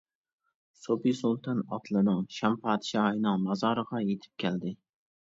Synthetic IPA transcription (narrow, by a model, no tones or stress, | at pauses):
sopisolˠt̪ʰanɒt̪ʰlˠɪnɨŋʃampʰɑːd̪ɪʃɑjnɨŋmɑzɑɾɨʁɑjet̪ʰɪ̥p̚kʲʰald̪ɪ